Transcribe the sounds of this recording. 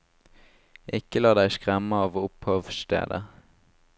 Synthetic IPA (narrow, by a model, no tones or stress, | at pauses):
ʔɪkəlɑːd̪æɪskʁæməɑːʋʊphœʋst̪ḛːd̪ə